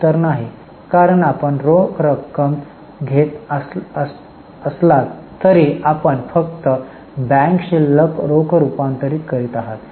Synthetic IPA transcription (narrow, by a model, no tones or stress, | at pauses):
t̪əɾnaɦi | kaɾəɳapəɳɾokʰɾəkːəm | ɡʱet̪əsəs | əslat̪ː | əɾiapəɳfəkt̪ə | bɛ̃ŋkɕilːəkɾokʰɾupãnt̪əɾiːkəɾiːt̪aɦat̪